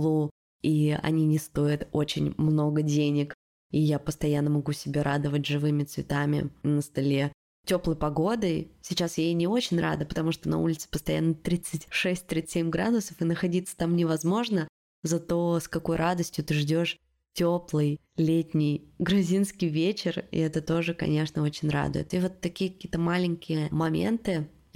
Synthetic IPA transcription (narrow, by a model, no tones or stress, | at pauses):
lˠu | iɐ̰nʲinʲɪst̪o̞jɪt̪o̞t͡ɕɪ̰nʲmno̞ɡədʲenʲɪk | ijapəst̪ɐjanːəmɐɡusʲɪbʲeɾʔad̪əvətʲʐɨvɨmʲɪt̪svʲɪt̪amʲɪ̰nəst̪alʲe̞ | tʲo̞plˠəjpɐɡo̞d̪əjsʲɪt͡ɕasjenʲɪo̞t͡ɕɪnʲra̰d̪ɨpə̥t̪ɐmuʂt̪onɐ̰ṵlʲɪt̪sɨ̥pəst̪ɐja̰nːət̪ɾʲit̪sɨtʲʂɛsʲtʲt̪ɾʲit̪ɨ̥sʲemʲɡɾa̰d̪ʊsəfɨnəxɐdʲit̪sːə̥t̪amnʲɪvɐzmo̞ʐnə | zɐt̪o̞skɐko̞jɾʔad̪əsʲtʲjʊt̪ɨʐdʲo̞ʂ | tʲoplˠɨj | lʲetʲnʲɪjɡɾʊzʲinskʲɪjvʲet͡ɕɪrɪ̰ɛt̪ət̪o̞ʐɨkɐ̰nʲeʂnəo̞t͡ɕɪnʲra̰d̪ʊ̰jɪ̰t̪ɨvo̞t̪ːɐkʲijək̚ɐkʲijət̪əmalʲɪnʲkʲɪjəəmɐmʲe̞̰nt̪ɨ